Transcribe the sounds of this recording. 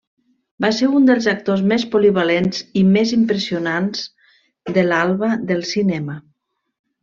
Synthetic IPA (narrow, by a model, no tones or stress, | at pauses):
baseɾund̪əlˠzək̚t̪ozmespuliβalenzimezimpɾəsiunanz | d̪əlalˠβəðəlˠsinɛmə